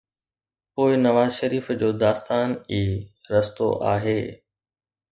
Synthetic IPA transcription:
poːɪnɐʋaːzʃɐɾiːfd͡ʑoːd̪aːst̪aːniːɾɐst̪o̰ʔa̰ːɦeː

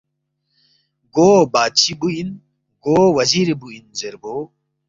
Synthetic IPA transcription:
ɡobaːt͡ɕʰibuin | ɡoːwɐziɾebuinzeɾbo

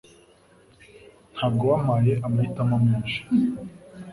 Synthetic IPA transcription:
n̥haːb̚ɡowamaːjeʔamaitamamenʃḁ

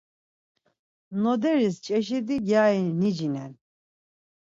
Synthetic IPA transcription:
nɔd̪ɛɾist͡ʃʼɛʃiɾd̪iɡjainid͡ʒinɛn

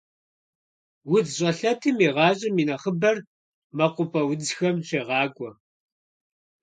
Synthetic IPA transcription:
wʊdɕʼɐɬɐtʰɨmiːʁɑːɕʼɪmiːnɐχəbɐr | mɐqʷʊpʰʼɐwʊd͡zxɐmɕʷʰeːʁɑːɡʷʼɔ

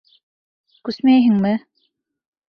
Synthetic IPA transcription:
kʉsmæjɦɘ̆ŋmɘ

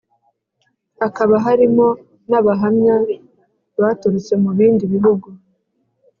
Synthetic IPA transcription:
akaβaɦaɾimo̞ | naβaɦamɲa | βatuɾut͡se̞muβiːndiβiɦuɡu

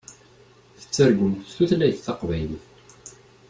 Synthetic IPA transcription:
θə̥t͡sːəɾɡʷəmt̪θuθlæjθθɑqvæjləθ

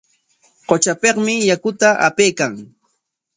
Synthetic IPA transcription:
qot͡ʃapeqmɪjakʊt̪aʔa̰pejkaŋ

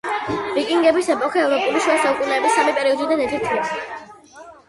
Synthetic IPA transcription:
vikʼiŋɡɛbisɛpʼɔkʰɛɛvɾɔpʼuliʃiɔsaukʼunɛːbisːamipʼɛɾiɔd̪id̪anɛɾt̪ʰɛɾt̪ʰlɛs

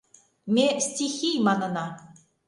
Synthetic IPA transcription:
mʲesʲtʲixʲijmɑnɤ̆nɑ

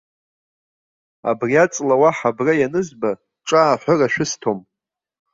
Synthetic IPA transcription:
a̰briat͡sʼlawaħabrajanɨzba | ʈ͡ʂʼaːħʷaraʃᶣʊstʰom

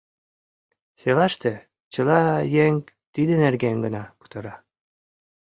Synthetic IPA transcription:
selɑʃt̪ĕ | t͡ɕə̆lɑjeŋ | t̪id̪ĕnerɡeŋɡənɑpu̥t̪ɤ̆ɾɑ

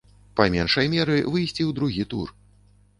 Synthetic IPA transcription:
pamʲɛnʂɐjmʲɛɾɨvɨjsʲt͡sʲiwd̪ɾuɣʲit̪ṵr

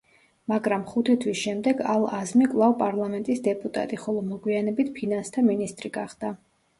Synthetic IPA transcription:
maɡɾamχut̪ʰit̪ʰwisʃɛmd̪ɛɡalˠazmikʼvlˠavpʼaɾlˠamɛnt̪ʼisd̪ɛpʼut̪ʼa̰t̪ʼiχɔlˠɔmɔɡwianɛbit̪ʰpʰinanst̪ʰaminist̪ʼɾiɡaχd̪̥a

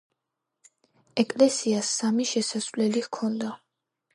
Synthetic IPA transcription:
ɛkʼlɛsiasːamiʃɛsasvlɛlihkʰɔnd̪a

